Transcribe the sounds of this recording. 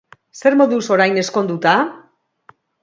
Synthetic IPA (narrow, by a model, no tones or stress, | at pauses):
se̞ɾmo̞ðuso̞ɾajne̞sko̞nd̪ut̪a